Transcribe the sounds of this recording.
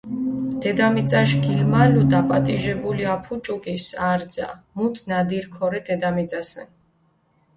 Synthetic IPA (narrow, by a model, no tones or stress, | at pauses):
d̪̥ɛd̪amit̪t͡s̪ʼaʃɡilmalud̪apʼat̪ʼiʒɛbuliapʰut͡ʃʼukʼisaɾd̪za̰mut̪ʰnad̪iɾkʰɔɾɛd̪ɛd̪amit̪zʼasɛ̰n